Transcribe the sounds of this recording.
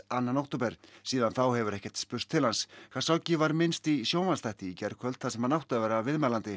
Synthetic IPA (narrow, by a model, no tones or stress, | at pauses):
anːanowht̪ʊpɛɾ̥siːðanθawhɛvʏɾɛhcɛ̥t̪spʏr̥t̪ʰːɪlhanskʰḁsawcɪvaɾmɪnst̪isjoːwmanst̪ajht̪ɪicɛɾkʰvœlt̪θasɛmhanawht̪avɛːɾavɪðmɛːlant̪ɪ